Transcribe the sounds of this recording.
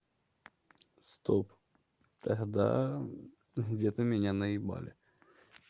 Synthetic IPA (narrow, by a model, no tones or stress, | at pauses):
st̪op | t̪ʰɐɦd̪a̰ | ɣdʲet̪əmʲɪnʲanəɪba̰lʲɪ